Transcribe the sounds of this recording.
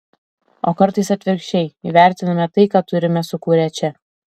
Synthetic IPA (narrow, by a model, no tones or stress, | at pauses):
oːkɐɾt̪ɐɪsɐt̪ʲʋʲɪɾʲkʃʲt͡ʃʲɛɪiʋʲæˑɾʲt̪ʲɪnɐmʲɛt̪ɐɪkɑːt̪ʊɾʲɪmʲɛsʊkuːɾʲɛt͡ʃʲɛ